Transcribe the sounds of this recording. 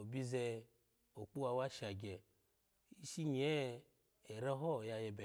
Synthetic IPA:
o˨bi˦zɛ˧ | o˨k͡pu˦wa˧wa˦ʃa˨ɡʲɛ˨ | i˦ʃi˦ɲ˨ɛ˦ | ɛ˨ɾɛ˦ɦɔ˦˨ja˧jɛ˧bɛ˨

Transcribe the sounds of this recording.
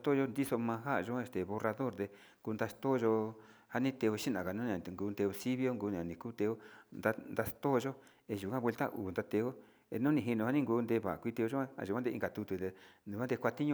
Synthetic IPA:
t̪o˦˧ʒo˦nd̪i˦so˧mã˧ɦa˦˨˧ʒo˧˦˧e˧st̪e˨βo˧ra˧ðo˦ɾd̪e˧ | ŋɡuː˧nd̪a˧st̪o˦˧ʒo˧ | ha˧nĩ˦t̪e˧o˧ʃi˦nã˨ka˨nũ˦˧ã˨ŋɡuː˧nt̪e˧o˧si˦βjo˦ŋɡu˧n˨ã˨nĩ˨kuː˦t̪e˧o˦nd̪a˧nd̪a˧st̪o˦˧ʒo˦ | e˧ʒu˨kʷã˦βʷwe˧lt̪a̰˦ʔṵː˨nd̪a˧t̪e˧o˦ | ḛ˧nũ˦nĩ˧ɦi˧nũ˧ha˦nĩ˦ŋɡuː˧˦nd̪e˧βa̰˨kʷi˧t̪e˧o˧ʒo˦ã˦a̰˧˨ʒu˨a˦d̪e˧ḭ˧ŋɡa˨t̪u˧t̪u˧e˧nũ˨kʷa˦d̪e˧kʷa˧t̪i˦ɲũ˧

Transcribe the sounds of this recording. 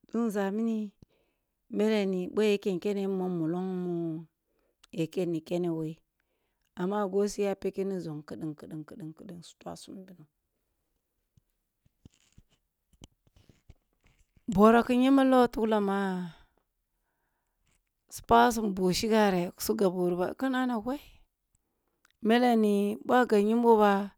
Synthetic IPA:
du˦n˦za˨mi˦ni˦ | me˦le˨ni˨bo˦je˨ke˦˨nke˦ne˦mo˦mu˨lo˦ŋmu˦ | je˨ke˦ni˨ke˦ne˨we˦i˦ | a˨mːa˦ɡo˦si˦ja˦pe˦ke˦ni˦zo˨ŋki˦˨ɗi˨nki˨ɗi˨nkə˨ɗi˨ŋkə˨ɗi˦nsu̥˦ta̰˦su˦m˨bi˦nu˨ | bo˨ɾa˨ki˦ɲi˦ma˦lo˦tu˦kla˨ma˦ | su̥˨pa˦s̬u˦mbu˨ʃi˦ɡa˦ɾe˨ku̥˨su˦ɡa˨bu˨ɾba̰˨ku˦na˦na˨ɡa˦i˦ | me˦la˦ni˨bʷa˦ɡa˨ɲi˦m˦bo˦ba˦

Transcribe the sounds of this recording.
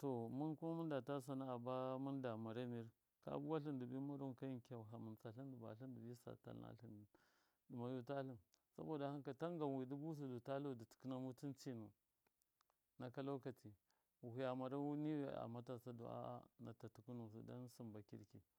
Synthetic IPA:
to˨mu˦nku˦ma˦mu˦nda˨ta˦s̬a˨na˦a˨ba˦mu˦nda˨ma˨ɾa˦ni˦ɾ | ka̰˦bu˦wa˦ɬi˦ndu˨bi˦ma˦ɾu˦nka˦ji˦nka˨ɦa˨mu˨nt͡sa˨ɬi˦du˨ba̰˨ɬi˦ndu˨bi˦sa̰˨ta̰˨lna̰˦ɬi˨n˨ | du˨ma˨ju˦ta˦ɬu˦˨nsa̰˦bo˨da˨ha˦nka˨ta˦ŋɡa˨wi˨di˦bu˦s̬u˨du˨ta˦lu˦˨di˨ti̥˨ki˦na˦mu˦ti˦nt͡ʃi˦nu˨ | na˨ka˦la˦ka˨tʰi˨ | wu˨hu˨ja˨ma˨ɾa˦wu˦ni˦w̰a̰˨ma˦ta˨sa˦dṵ˨a̰˦na̰˨ta˨tu˨ku˦nu˨su˨da̰˦nsi˨mba˨kḭ˦ɾki˨

